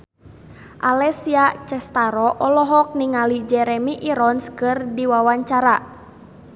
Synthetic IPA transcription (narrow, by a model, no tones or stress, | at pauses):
ʔalɛsiat͡ʃɛst̪aɾɔʔɔlɔɦɔk̚niŋalid͡ʒɛɾɛmiʔiɾɔnskɨrdiwawaɲt͡ʃaɾa